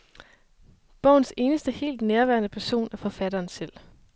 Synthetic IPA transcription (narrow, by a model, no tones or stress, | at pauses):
b̥ɒʊn̩se̝ːnəsd̥əhe̝̰ːld̥neɐʋæɐnəpʰæɐso̝̰ːnæfɒ̽fæɾ̥ɐːnsel̰